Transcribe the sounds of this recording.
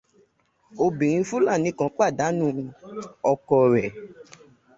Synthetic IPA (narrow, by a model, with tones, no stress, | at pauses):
o˧bĩ˨ɾ̃ĩ˧fu˦la˦˨nĩ˨˦kã˧˦k͡pa˦˨da˨˦nũ˦˨ | ɔ˧kɔ˧ɾɛ˨